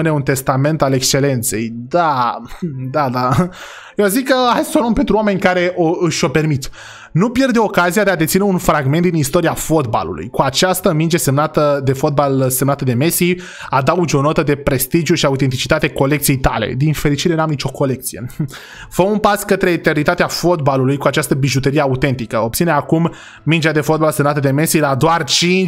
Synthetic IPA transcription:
ɨneunt̪e̞st̪ame̞nt̪ale̞kʃt͡ʃe̞le̞nt̪se̞̰jd̪a | d̪ad̪a | jeazikːəajsə̥solompe̞nt̪ɾuame̞nʲkaɾe̞ʔoɨʃʲo̞pe̞rmit̪ | nupje̞rd̪eo̞kazijad̪e̞ad̪et̪sineunfɾaɡme̞nt̪̚d̪inist̪o̞ɾiafo̞t̪ba̰lṵlṵjkuat͡ʃast̪əmind͡ʒe̞semnat̪əd̪e̞fo̞t̪̚balsemnat̪əd̪e̞me̞si | ad̪aud͡ʒo̞no̞t̪əd̪e̞pɾe̞st̪id͡ʒijuʃiaut̪e̞nt̪̬it͡ʃit̪at̪e̞ko̞le̞kt̪sijejt̪a̰lḛd̪infe̞ɾit͡ʃiɾe̞namnit͡ʃo̞ko̞le̞k̚t̪sije | fəunpaskət̪ɾe̞ːt̪e̞rnit̪at̪eafo̞t̪̚balulujkuat͡ʃast̪əbiʒut̪əɾieaut̪e̞nt̪ikəo̞p̚t̪sineakumː | ind͡ʒead̪e̞fo̞t̪̚balse̞mnat̪əd̪e̞me̞silad̪oart͡ʃin

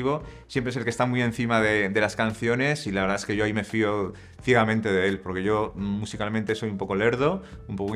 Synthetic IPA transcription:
iβo̞ | sjempɾeselke̞st̪amiẽ̞n̟θimaðe̞d̪e̞laskan̟θjo̞ne̞silaβeɾðaeske̞ʝoaime̞fio̞ | θje̞ɣamẽnt̪e̞ðee̞lpo̞ɾke̞ʝo̞musikalmẽnt̪e̞so̞jumpo̞ko̞le̞ɾðoumpok

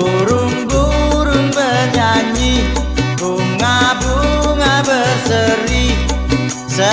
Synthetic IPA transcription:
uɾuŋbuɾuŋbəd͡ʒaɲi | buŋːabuŋabəsəɾi | sə

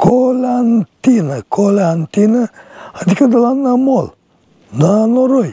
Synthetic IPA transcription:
kolant̪inakoleant̪inaad̪ikəd̪alanːamol | nanoɾoj

